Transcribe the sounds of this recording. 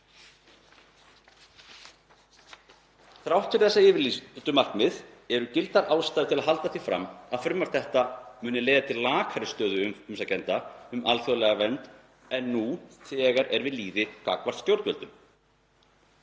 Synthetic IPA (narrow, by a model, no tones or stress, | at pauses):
θɾawht̪ʰɪɾ̥θɛsːaɪːvɪɾlit̪ʏmar̥knmɪð | ɛɾʏcɪlt̪aɾaːwst̪aːðɪt̪ʰɪlaðɦalt̪aθifɾa̰mːaðfɾʏmːaɾ̥t̪θɛht̪amʏːnɪleːjðat̪ʰɪllːaːkʰaɾɪst̪œːðʏʏmʏmsacɛnt̪aʏmalθjolɛɣavɛnt̪ | ɛnːuθɛɣaɾɛɾvɪðliːðɪka̰ːkvaɾ̥t̪st̪jowɾt̪vɛlt̪ʏm